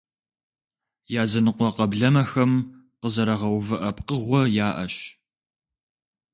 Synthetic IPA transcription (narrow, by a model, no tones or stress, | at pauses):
jaːzɐnɨqʷɔqɐbɮɐmɐxɐm | qəzɐɾɐʁɐwvɨʔɐpqəʁʷɔjaːʔɐ̰ɕ